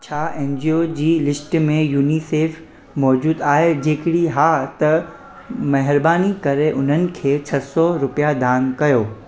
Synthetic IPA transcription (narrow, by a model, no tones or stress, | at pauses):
t͡ɕʰaːʔẽːnd͡ʑiod͡ʑiːlɪsʈmẽjuːniseːf | mɔːd͡ʑuːd̪aːɦed͡ʑeːkɪɽiɦaːt̪ɐ | mɐɦɪɾbaːnikɐɾeʔʊn̤ənɪ̆kʰeːt͡ɕʰɐsɔɾʊpijad̪ʱaːnkɐjoː